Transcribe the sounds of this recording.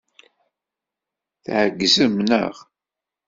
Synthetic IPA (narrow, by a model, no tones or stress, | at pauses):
θʕəɡːzəmnə̰ʁ